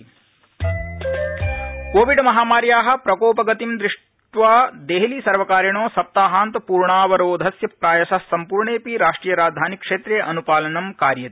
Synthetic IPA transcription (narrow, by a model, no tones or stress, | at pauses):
koːʋiɖmɐɦaːmaːɾjaːɦɐ̆pɾɐkoːpɐɡɐt̪imd̪ɾiʂ | ʈʋaːd̪eːɦlisɐɾʋɐkaːɾjɐɳoːsɐp̚t̪aːɦaːnt̪puːɾɳaːʋɐɾoːd̪ʱɐsjɐpɾaːjɐsɐsɐmpuːɾɳeːpiɾaːʂʈɾiːjɐɾaːd̪ʱaːnikʂeːt̪ɾeʔɐnupaːlɐnɐmkaːɾjɐt̪